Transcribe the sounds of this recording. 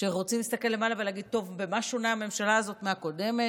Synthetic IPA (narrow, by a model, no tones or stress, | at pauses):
ʃeʁo̞t͡simlist̪ake̞lːe̞malavelaɡid̚t̪o̞vbe̞maʃunaame̞mʃalaːzo̞t̪meako̞de̞me